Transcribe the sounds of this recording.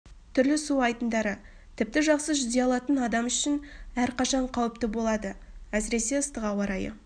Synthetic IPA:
t̪ʰʏɾlɪsuɑjt̪ənd̪ɑɾə | t̪ʰɪp̚t̪ɪʒɑqsəʒʏzd̪eɑlˠɑt̪ənɑd̪ɑmʏʃɪnæɾqɑʃɑɴqʰɑwəp̚t̪ɪbo̞lˠɑd̪ə | æsɪɾe̞se̞əst̪əqɑwɑɾɑjə̰

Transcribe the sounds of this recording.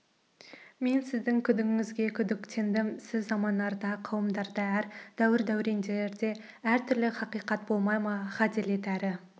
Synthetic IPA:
me̞nsɪzd̪ɪŋkʲʰʏd̪ɪŋɪzɡʲe̞kʲʰʏd̪ɪkt̪ʰe̞nd̪ɪmsɪzːɑmɑnːɑɾd̪ɑqʰɑwəmd̪ɑɾd̪ɑæɾd̪̥æwɪɾd̪æwɾe̞nd̪eɾd̪e̞ | æɾt̪ʰʏɾlɪχɑqijqɑt̪̚bo̞lˠmɑjmɑχæt̪ele̞t̪æɾɪ

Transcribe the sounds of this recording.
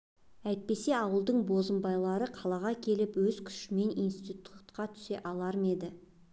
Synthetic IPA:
æjt̪̚pe̞se̞ɑwəlˠd̪əɴbo̞zəmbɑjlˠɑɾəqʰɑlˠɑʁɑkʲʰe̞lɪpwɵzkʲʰʏ̥ʃɪme̞nijnst̪it̪t̪ʰu̥t̪qɑt̪ʰʏ̥se̞ʔɑlˠɑɾme̞d̪ɪ

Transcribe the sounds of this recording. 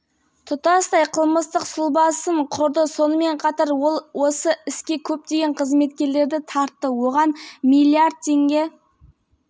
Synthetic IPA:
t̪ʰʊt̪ɑst̪ɑjqʰəlˠməst̪əqsʊlˠbɑsəɴqʰʊɾd̪əso̞nəme̞ɴqʰɑt̪ɑɾolˠwo̞səɪskʲe̞kʲʰɵp̚t̪e̞ɡʲe̞ɴqʰəzme̞t̪kʲe̞ɾle̞ɾd̪ɪt̪ʰɑɾt̪ːəwo̞ʁɑnmilʲiard̪̚t̪ʰe̞ŋɡʲe̞

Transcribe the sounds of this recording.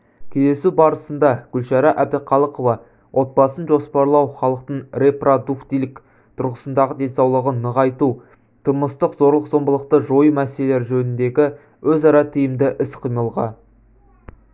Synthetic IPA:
kʲʰeze̞subɑɾəsənd̪ɑɡ̥ʲʏlʃɑɾɑʔæb̚d̪ɪqʰɑlˠəqovɑ | wʔo̞t̪̚bɑsənʒo̞spɑɾlˠɑwχɑlˠəqt̪əɴre̞prod̪ukt̪ijlɪk | t̪ʰʊɾʁəsənd̪ɑʁəd̪e̞nsɑwlˠəʁənːəʁɑjt̪u | t̪ʰəməst̪əqzo̞ɾlˠəqzo̞mbəlˠəq̚t̪əʒo̞jəmæseleleɾʒɵnɪnd̪e̞ɡʲɪ | wɵzɑɾɑt̪ʰijɪmd̪ɪʔɪsqʰijməlˠʁɑ̰

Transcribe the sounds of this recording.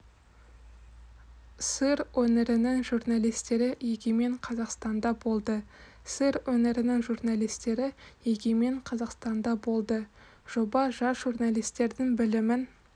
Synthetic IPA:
səɾwɵneɾɪnɪŋʒurnalˠijst̪e̞ɾɪjeɡʲeme̞ɴqʰɑzɑqst̪ɑnd̪ɑbo̞lˠd̪ə | sɨɾwɵne̞ɾɪnɪŋʒurnalˠijst̪e̞ɾɪjeɡʲeme̞ɴqʰɑzɑqst̪ɑnd̪ɑbo̞lˠd̪ə | ʒ̥o̞bɑʒɑsʒurnalˠijst̪e̞ɾd̪ɪŋbɪlɪmɪn

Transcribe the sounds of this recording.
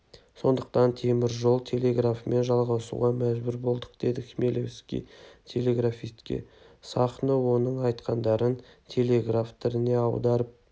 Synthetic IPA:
so̞nd̪əq̚t̪ɑnt̪ʰe̞mɪɾʒo̞lˠt̪ʰe̞lʲe̞ɡrafme̞nʒɑlˠʁɑsṵʁɑmæʒbʏɾbo̞lˠd̪əqd̪̥e̞d̪ɪkʲme̞lʲevʲskʲḭjt̪ʰe̞le̞ɡrafijst̪kʲḛ | sɑχnəwo̞nəɴɑjt̪qɑnd̪ɑɾənt̪ʲʰe̞le̞ɡraft̪ʰɪɾɪne̞ɑwd̪ɑɾəp̚

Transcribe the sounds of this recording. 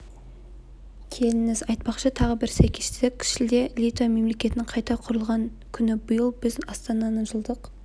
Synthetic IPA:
kʲʰe̞lɪnɪzɑjt̪̚pɑqʃət̪ʰɑʁəbɪɾsæjkʲe̞̥st̪ɪd̪ɪk̚ʲʰɪ̥ʃɪld̪e̞lʲit̪ome̞mle̞kʲe̞t̪ɪnɪɴqʰɑjt̪ɑqʰʊɾəlˠʁɑŋ | kʲʰʏnɪbʊjəlˠbɪzɑst̪ɑnɑnəʒəlˠd̪əq

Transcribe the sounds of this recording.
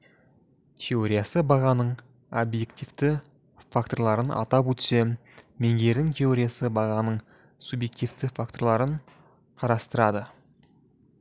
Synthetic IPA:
t̪ʲʰe̞o̞ɾʲijasəbɑʁɑnəɴ | obje̞kt̪ivt̪ɪ | fakt̪o̞ɾlˠɑɾənʔɑ̰t̪ɑp̬ɵt̪semme̞ŋɡʲe̞ɾd̪ɪŋt̪ʲʰe̞o̞ɾʲijasəbɑʁɑnəɴ | subje̞k̚t̪ivt̪ɪfakt̪o̞ɾlˠɑɾəɴ | qʰɑɾɑst̪əɾɑd̪ə

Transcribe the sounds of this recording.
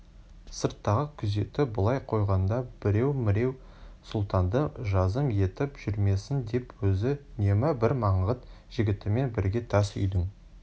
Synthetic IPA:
səɾt̪ːɑʁəkʲʰʏze̞t̪ɪbʊlˠɑjqʰo̞jʁɑnd̪ɑb̥ɪɾe̞wmɪɾe̞w | sʊlˠt̪ɑnd̪əʒɑzəmje̞t̪ɪpʒ̥ʏɾme̞sɪnd̪e̞pwɵzɪne̞mɪbɪɾmɑɴʁət̪ | ʒ̥ɪɡʲɪt̪ɪme̞nbɪɾɡʲe̞t̪ʰɑsʏ̰jd̪ɪŋ

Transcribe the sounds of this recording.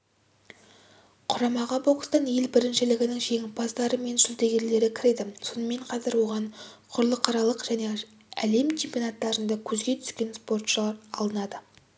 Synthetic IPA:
qʰʊɾɑmɑʁɑboqst̪ɑnje̞lbɪɾɪnʃɪlɪɡʲɪnɪŋʒe̞ŋʲɪpɑzd̪ɑɾəme̞nʒʏlt̪e̞ɡʲe̞ɾle̞ɾɪkʲʰɪɾe̞d̪ɪso̞nəme̞ɴqʰɑzɪɾwo̞ʁɑɴqʰʊɾlˠəqʰɑɾɑlˠəqʒ̥æne̞ | æ̰le̞mt͡ʃʰe̞mpʲijonɑt̪ːɑɾənd̪ɑkʲʰɵzɡʲe̞t̪ʰʏ̥skʲe̞nspo̞rt̪ʃəlˠɑɾɑlˠənɑd̪ə

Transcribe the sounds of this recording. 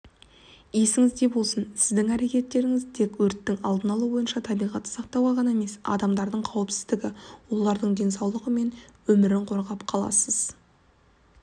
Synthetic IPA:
je̞sɪŋɪzd̪e̞bo̞lˠsənsɪzd̪ɪŋæɾe̞kʲe̞t̪ːe̞ɾɪŋɪzt̪ʰe̞kwɵɾt̪ːɪŋɑ̰lˠd̪ənɑlˠəbo̞jənʃɑt̪ʰɑbijʁɑt̪ːə̥sɑq̚t̪ɑwʁɑʁɑnɑeme̞sɑ̰d̪ɑmd̪ɑɾd̪əɴqʰɑwəpsɪzd̪ɪɡʲɪwo̞lˠɑɾd̪əɴd̪e̞nsɑwlˠəʁəme̞nwɵmɪɾɪɴqʰo̞ɾʁɑpqʰɑlˠɑ̰səz

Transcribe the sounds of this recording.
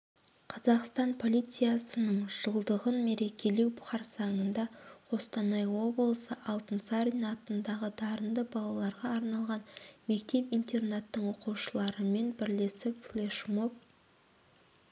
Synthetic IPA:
qʰɑzɑqst̪ɑnpʰo̞lʲijt̪sɨjasənəɴʒ̥əlˠd̪əʁənme̞ɾe̞kʲʰe̞le̞wbʊ̥χɑɾsɑŋənd̪ɑqʰo̞st̪ɑnɑjwo̞blˠəsəʔɑlˠt̪ənsɑɾʲinɑt̪ənd̪ɑʁəd̪ɑɾənd̪əbɑlˠɑlˠɑɾʁɑːɾnɑlˠʁɑnme̞k̚t̪e̞pint̪e̞rnat̪ːəɴo̞quʃəlˠɑɾəme̞nbɪɾlesɪflˠeʃmo̞p̚

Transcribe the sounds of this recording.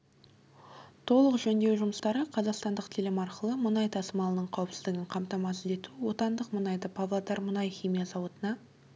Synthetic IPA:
t̪ʰo̞lˠəqʒɵnd̪ewʒʊməst̪ɑɾəqʰɑzɑqst̪ɑnd̪əqt̪ʰɪlɪmɑɾqəlˠəmənɑjt̪ʰɑsəmɑlˠənəɴqʰɑwəpsɪzd̪ɪɡʲɪɴqʰɑmt̪ɑmɑsəd̪e̞t̪uwo̞t̪ɑnd̪əqmənɑjd̪əpʰɑvlˠad̪ɑɾmʊnɑjχʲijmijɑzɑwot̪ənɑ

